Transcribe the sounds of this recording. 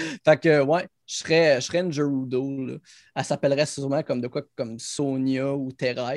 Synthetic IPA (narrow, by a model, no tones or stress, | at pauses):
fakəwɛ | ʃʁɛʃʁɛɛ̃nʒəud̪olʌ̰ | asapɛlʁɛsyʁmãkʌmd̪əkwakɔmsonjɔut̪eʁa